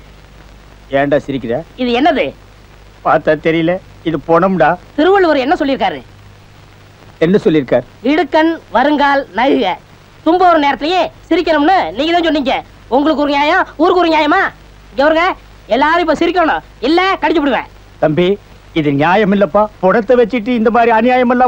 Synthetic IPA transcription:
eːɳɖaːsɪɾɪkːɪɾjaːɪðɯɛnːɐðɯ | paːɾt̪aːt̪ɛɾɪjɪle | ɪðɯpoːɳɐmɖaːt̪ɪɾɯʋɐɭʋɐɾɯɛnːɐsɔlːɪɾɯk̬ːaːɾɯ̰ | ɛnːɐsɔlːɪɾɯkːaːɾɪɽɯkːɐnʋɐɾɯŋɡaːlnɐɣɯɣɐ | t̪ʊmbɐɔɾɐneːɾɐt̪ːlɐjẽsɪɾɪk̬ʲːɐnɯmnːɯniːŋɡɐðãːsɔnːiːŋɡɐ | ʊŋɡɐɭɯk̬ːʊɾɯnjaːjãuːɾɯkuɾɯnjaːjɐmaː | ɪŋɡɐʋɐɾɯŋɡɐ | ɛlːaːɾɯɪpːoːsɪɾɪkːɐɳɐɳʊ̃ | ɪlːɐkɐɽɪt͡ʃːɐp̬ːɯɽɯʋḛ̃ː | t̪ɐmbi | ɪðɯnɪjaːjɐmɪlːɐpːaːpɔɽɐt̪ːɐʋɐt͡ʃːɪʈ̬ːɯɪnd̪ɐmaːd̪ɾiɐnɪjaːjɐmɛlːãː

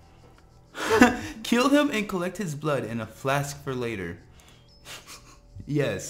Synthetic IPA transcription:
kʰɪlˠɪ̃mɨ̃nkʰəlɛk̚t̚hɨzblʌɾɨ̃nəflæskfə˞leɪɾə̰˞ | jɛs

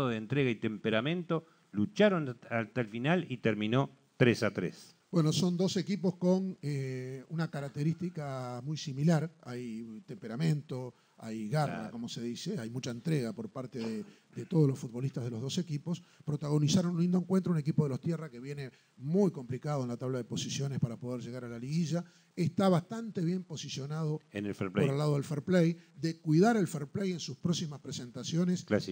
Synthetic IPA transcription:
ðoðeːnt̪ɾeɣait̪empeɾamẽnt̪o | lut͡ʃaɾonat̪aelfinalit̪ɛɾmino | t̪ɾesat̪ɾes | b̥weno̞so̞nd̪o̞se̞kipo̞sko̞neunakaɾak̚t̪eɾist̪ikamujsimilaɾajt̪empeɾamẽ̞nt̪o̞ | a̰jɣaa̰ko̞mose̞ðiseajmut͡ʃaent̪ɾeɣapo̞ɾpaɾt̪eðe | d̪et̪oð̞olo̞sfud̪̚βo̞liht̪aɦðe̞lo̞ɦðo̞se̞kipo̞spɾo̞t̪aɣ̞o̞nisaɾonunind̪oeŋkwe̞nt̪ɾounek̬ipoðelost̪jerake̞βjene̞ | mujko̞mplikaðoenlat̪aβlaðepo̞sisjo̞nespaɾapo̞ð̞eɾʒeɣaɾalaliɣiʒa | eht̪aβast̪ant̪e̞βjempo̞sisjo̞naðo̞enelfeɾoɾelːaðoðelfeɾplejd̪ekwiðaɾelfeɾpleje̞nsuspɾo̞ksimaspɾese̞nt̪asjo̞ne̞sl

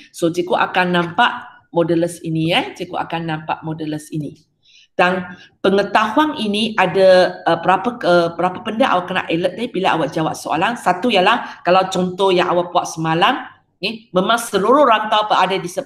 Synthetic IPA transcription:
sot͡ʃikoʔakanːãmpaʔ | modələsiniat͡ʃikuʔa̰kanːãmpa̰ʔmɔdələsini | d̥anpəŋət̪aɦuaniniʔadaəpəɾapakəpəɾapapəndaʔa̰waʔkəna̰ʔelət̪̚dabilaa̰waʔd͡ʒawaʔsoa̰laŋsat̪ujalahkalawt͡ʃɔnt̪ɔhjaŋʔawaʔpuaʔsəmalam | ɛməmãŋsəluɾʊhɾant̪awpəʔadadisə

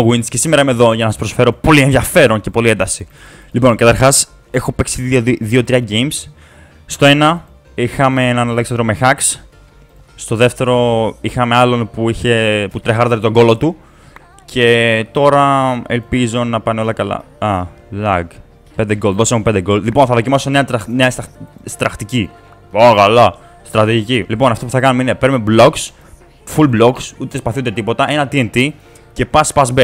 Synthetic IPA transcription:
ɣwind̪sce̞sime̞ɾɐimeðo̞ʝɐnɐsɐspɾo̞sfe̞ɾo̞po̞lienðjɐfe̞ɾo̞nce̞po̞lie̞nd̪ɐsi | lipo̞nkɐt̪ɐɾxɐs | e̞xo̞pe̞ksiðioðio̞t̪ɾiɐɟejmsː | t̪o̞e̞nɐ | ixɐmeenɐnɐleksɐnd̪ɾo̞mexɐks | st̪o̞ðe̞ft̪e̞ɾo̞ixɐmeɐlo̞npuiçe̞put̪ɾexɐɾt̪ɐɾit̪o̞ɡo̞lo̞t̪u | cʰe̞t̪o̞ɾɐḛlpizo̞nɐpɐneo̞lɐkɐlɐ̰ɐlɐɡ | pend̪eɡolðo̞semumpnd̪eɡo̞llipo̞nθɐðo̞cimɐsoneɐt̪ɾɐneɐsst̪ɾɐxt̪ici | okɐlɐ | st̪ɾɐt̪iʝicilipo̞nɐft̪opuθɐkɐnumeinepeɾmeblo̞ks | fulblo̞ksut̪espɐθund̪e̞t̪ipo̞t̪ɐʔe̞nɐt̪ient̪i | ce̞pɐspɐsbe

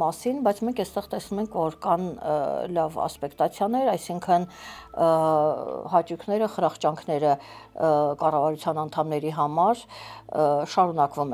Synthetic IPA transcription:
mɑsinbɑjt͡sʰmɛŋkʰɛst̪ɛʁt̪ɛsnumɛŋkʰvɔɾkɑnlɑvɑ̰spɛkt̪ɑt͡sʰjɑnɛɾɑjsiŋkʰən | hɑt͡ʃukʰnɛɾəχəɾɑχt͡ʃɑŋkʰn̪ɛɾə | kɑrɑvɑɾut͡sʰjɑnɑn̪t̪ʰɑmnɛɾiɦɑmɑɾ | ʃɑɾunɑkvumɛ

